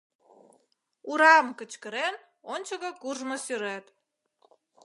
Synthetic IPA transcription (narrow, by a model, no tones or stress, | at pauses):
uɾɑmkə̆t͡ɕkə̆ɾen | onʲt͡ɕəɣə̆kuʒmə̆syɾet̪